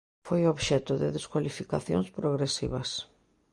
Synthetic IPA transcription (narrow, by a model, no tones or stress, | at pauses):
fojʊoβʃɛt̪ʊðɪðeskwalifika̰θjõ̰ŋspɾoɣɾesḭβɐs